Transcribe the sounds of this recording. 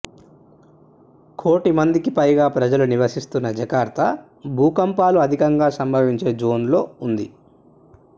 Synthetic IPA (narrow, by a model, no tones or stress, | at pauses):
kʰo̞ːʈimɐnd̪ikipɐjɡaːpɾɐd͡ʒɐluniʋɐsist̪unːɐd͡ʒɐkaːɾt̪ʰɐ | bʱuːkɐmpaːluɐd̪ʱikɐŋɡaːsɐmbʱɐʋiɲt͡ʃe̞ːd͡ʒo̞ːnlo̞ːund̪i